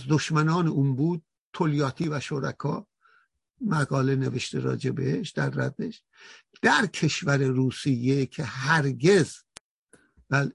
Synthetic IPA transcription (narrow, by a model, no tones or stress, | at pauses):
zd̪oʃmænɒːneuːnbuːd̪̚ | t̪ʰoljɒːt̪ʰiːvæʃoɾæ̰kʰɒː | mæɡɒːle̞neveʃt̪ʰeɾɒ̰ːd͡ʒebeeʃd̪̥æɾːæd̪ːeʃ | d̪̥æɾkʰe̞ʃvæɾeɾuːsijːecʰehæɾɡe̞z | b̥æːle